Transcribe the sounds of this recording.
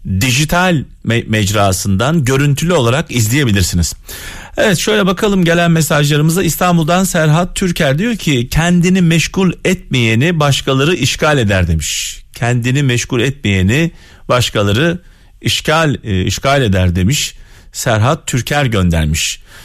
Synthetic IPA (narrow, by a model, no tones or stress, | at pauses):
d̪iʒit̪ʰalʲ | mmɛd͡ʒɾaːsɯnd̪anɟø̞ɾynt̪ʰylʲyo̞lˠaɾakizlʲijebilʲiɾsiniz̥ | evɛt̪ʃø̞jlʲɛbakʰalˠɯmɟe̞lʲænmesaʒlˠaɾɯmɯzaist̪ʰanbulˠd̪ansæɾɦat̪ʰːyɾcʰæɾd̪ijo̞ɾcʰicʰɛnd̪inimɛʃkulʲɛt̪̚mejenibaʃkʰalˠaɾɯʔiʃcalʲe̞d̪æɾd̪e̞miʃcʰɛnd̪inimɛʃkulʲɛt̪̚mejeni | baʃkʰalˠaɾɯ | iʃcʰalʲḭʃcalʲe̞d̪æɾd̪e̞miʃ | sæɾɦat̪ʰːyɾcʰæɾɟø̞nd̪æ̰ɾmiʃ